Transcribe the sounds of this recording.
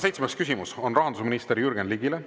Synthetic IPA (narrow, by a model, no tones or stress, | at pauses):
se̞jt̪smeskysimuso̞nrɑɦɑnd̪usminist̪eɾijyrɡenliɡ̥ile